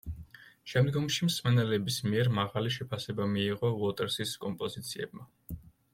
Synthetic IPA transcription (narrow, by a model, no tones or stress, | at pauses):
ʃɛmd̪ɡɔmʃimsmɛnɛlɛbismiɛɾmaʁaliʃɛpʰasɛbamiːʁɔvɔt̪ʼɛɾsiskʼɔmpʼɔzit̪sʰiɛ̰b̚ma